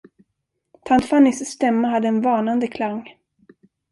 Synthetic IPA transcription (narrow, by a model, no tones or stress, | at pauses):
t̪ʰant̪fanːɪsst̪ɛmːaɦad̪ːəɛnvɑːnand̪əkʰlaŋː